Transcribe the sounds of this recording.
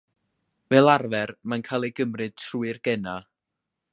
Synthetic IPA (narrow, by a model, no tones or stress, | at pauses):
vɛːlˠarvɛrmankʰaːlˠejɡəmrɨd̥̚tʰruːɨrɡɛna